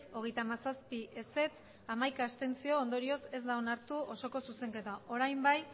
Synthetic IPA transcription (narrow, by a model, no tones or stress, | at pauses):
o̞ɣ̞e̞jt̪amasaspiʔe̞se̞t͡s | amajkaːst̪e̞nt͡sio̞ːnd̪o̞ɾio̞se̞zd̪aonaɾt̪uo̞so̞ko̞suse̞ŋke̞t̪aʔo̞ɾajmbaj